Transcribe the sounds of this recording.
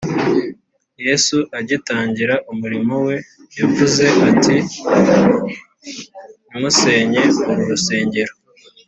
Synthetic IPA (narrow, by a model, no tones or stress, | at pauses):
je̞suʔaɟitaːɲɟiɾaʔumuɾimowe̞ | javuze̞ʔatʰi | mŋuse̞ːɲe̞uɾuɾuse̞ːɲɟe̞ɾo